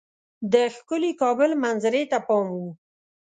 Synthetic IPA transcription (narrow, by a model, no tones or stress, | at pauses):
d̪əxkʊlikɑbʊlmanzaɾet̪apɑmwu